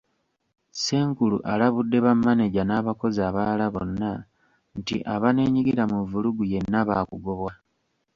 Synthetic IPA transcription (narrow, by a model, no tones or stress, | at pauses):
se̞ːŋkulṵʔalaβudːe̞βamːaneɟanaːβako̞zaːβalaβo̞̰nːa | ntḭʔaβane̞ːɲiɡiɾamuvuluɡuje̞nːaβaːkuɡo̞βwa